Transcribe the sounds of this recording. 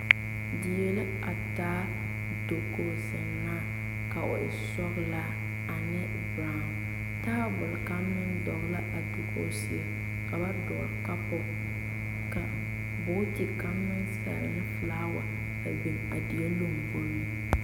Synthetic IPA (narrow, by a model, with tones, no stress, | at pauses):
dɪ˨je˨˦lɪ˦ | a˨taː˦ | do˦ko˦sɛ˨nːaː˦ | ka˨ʔʊ˨ɪ˨sɔ˦ɣla˦ | a˨nɪ˦ | baː˦ŋʊ˨ | taː˦bʊ˨lka˦mːɪ˦ndɔ˨ɣla˦ʔa˨do˨ko̰˦sɪ˨a˦ | ka˨ba˦dɔ˨a˨ka˦pʊ˦ | ka˨ | bʊː˦tɪ˨ka˦mːɪ˦nsa̰˨ɾɪ̰˨nɪ˦flaː˦wa˨ | a˨bi˨na̰˨dɪ˨ɛ˦lo˦mvo˦lɪ˦